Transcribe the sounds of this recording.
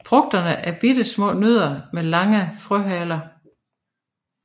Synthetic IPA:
fʁɔ̽ɡ̥̚d̥ɐnəʔæɐb̥id̥əsmɔ̰̽ːnøð̞ˠɐmelɑ̈ŋəfʁœɦɛlɐ

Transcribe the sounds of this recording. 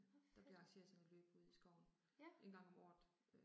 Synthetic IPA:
d̥ɑ̈b̥le̝ʁɑ̈ŋɕe̝̰ːɐð̩ˠsɒneløːb̥uð̰ˠisɡ̥ɒʊn̩ | ʔe̝nɡ̥ɑ̈ŋɒ̽mɒ̰ː

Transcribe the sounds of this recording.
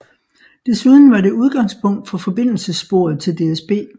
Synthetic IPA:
d̥e̝suð̞ˠn̩ʋɑ̈ɾe̝uð̞ˠɡ̥ɑ̈ŋspʰɔ̽ŋ̰d̥fɒ̽fɒ̽b̥e̝n̰l̩səsb̥o̝̰ɐ̰ð̞̩ˠt͡sʰe̝ld̥e̝esb̥e̝̰ː

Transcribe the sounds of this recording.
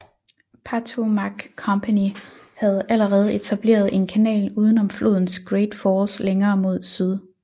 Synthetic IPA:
pʰæt͡sʰomæɡ̥kʰːɒ̽mpʰæni | hæð̞ˠʔæləʁɛːð̞̩ˠe̝t͡sʰæb̥le̝̰ːɐð̞̩ˠʔe̝nkʰænɛ̰ːluːð̞ˠn̩ɒ̽mflʔo̝ðˠn̩sɡ̥ʁeːd̥fɒːsleŋɐːmo̝ð̞̰ˠsyð̞ˠ

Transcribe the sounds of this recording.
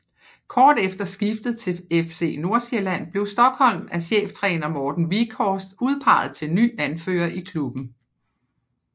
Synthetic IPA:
kʰɒːd̥efd̥ɐsɡ̥ifd̥ð̞̩ˠt͡sʰe̝efse̝̰ːno̝ɐselæn̰b̥le̝ʊsd̥ɒ̽ɡ̥hɒ̽l̰mæɕḛːft͡sʰʁɛ̰ːnɐmɒːd̥n̩ʋikʰɒːsd̥uð̞ˠpʰɑ̈ɪ̰ð̞̩ˠt͡sʰe̝lny̰ːænfø̰ːɐʔikʰlub̥n̩

